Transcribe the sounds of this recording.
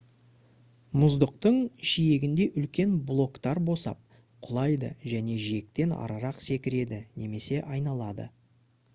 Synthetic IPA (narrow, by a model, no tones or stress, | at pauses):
mʊzd̪əq̚t̪əɴʃije̞ɡʲɪnd̪e̞ʔʏlkʲe̞nblˠo̞kt̪ɑɾbo̞sɑ̰p̚ | qʰʊlˠɑjd̪ə̰ʒæne̞ʒie̞k̚t̪e̞nɑ̰ɾɑɾɑqse̞kʲɪɾe̞d̪ɪne̞me̞se̞ʔɑjnɑlˠɑd̪ə̰